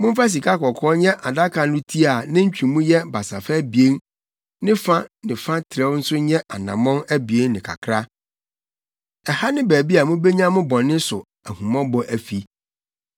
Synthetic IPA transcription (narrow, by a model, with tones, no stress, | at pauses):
mʊ̃˦m˦fa˦s̬i˨kʰa˦kɔ˨kʰɔː˦ɲɛ̃˦ʔa˨da˦kʰã˨nʊ̃˦tʰi˦a˨nɪ̃˦ɲ̩˦t͡ɕᶣĩ˨mũ˦jɛ˦ba˨sa˨fɛ˦bi˨e˦n | nɪ̃˦fã˦nɪ̃˨fã˦tʰɪ˨ɾɛ˦n̩˦sʊ˦ɲɛ̃˦ʔa˨nã˨mɔ̃˦næ˦bi˨e˦nnɪ̃˨kʰa̰˨kʰɾa˦ | ɛ˨ha˦nɪ̃˦bæː˨bi˦a˨mũ˦be˦ɲã˦mʊ̃˦bɔ̃˨nːɪ̃˦sʊ˨ | æ˨hũ˨mɔ̃˦bɔ˦ʔæ˨fi˨